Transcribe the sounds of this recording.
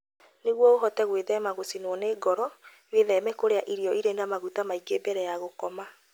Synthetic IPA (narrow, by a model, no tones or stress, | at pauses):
neɣwɔoɦɔtɛɣweðɛmaɣosinwɔneːɡɔɾɔ | weðɛmɛkoɾeaʔiɾiɔiɾeːndamaɣutamaikeːbɛɾɛjaɣokɔma